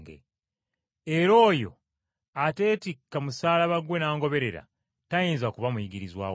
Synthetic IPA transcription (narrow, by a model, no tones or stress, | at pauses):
ɡḛ | eɾo̞ːjo̞̰ | ate̞ːtikːamusaːlaβaɡwe̞naːŋɡo̞βe̞ɾe̞ɾa̰ | tajeːnzakuβamujiɡiɾizwa̰ː